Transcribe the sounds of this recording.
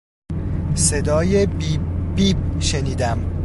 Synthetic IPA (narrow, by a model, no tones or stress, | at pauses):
se̞d̪ɒːjebiːb̚ʃeniːd̪æm